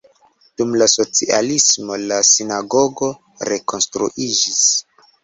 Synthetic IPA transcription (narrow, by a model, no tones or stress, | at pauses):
d̥umlaso̞t͡sia̰lismo̞lasinaɡo̞ɡo̞ | ɾe̞ko̞nstɾṵʔid͡ʒis